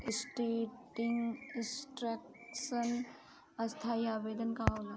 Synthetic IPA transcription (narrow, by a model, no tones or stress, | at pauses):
ɪsʈeʈɪŋɡɪsʈɾeksən | ɐst̪ʰajaːbed̪ənkaala